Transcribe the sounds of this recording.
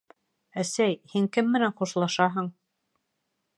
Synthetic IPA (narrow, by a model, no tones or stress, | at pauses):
æsæjhiŋkɘmːɘ̆nænχuʃlˠɑʃɑɦɤɴ